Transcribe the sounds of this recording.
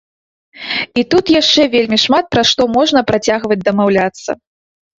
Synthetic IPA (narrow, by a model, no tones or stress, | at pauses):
it̪ut̪jaʂt͡ʂɛvʲelʲmʲiʂmat̪̚pɾaʂt̪ɔmɔʐnɐpɾat͡sʲaɣvɐd͡zʲd̪ɐmawlʲat̪sːɐ̰